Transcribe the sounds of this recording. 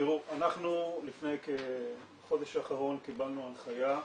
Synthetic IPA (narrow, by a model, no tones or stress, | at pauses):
t̪iʁuanaχnulifne̞jke | χo̞d̪eʃaːχaʁo̞nkibalnualχaja